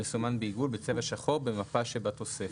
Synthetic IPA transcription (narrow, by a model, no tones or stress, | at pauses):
esumanbeiɡulbet͡sevaʃaχo̞ʁbemapaʃebat̪o̞se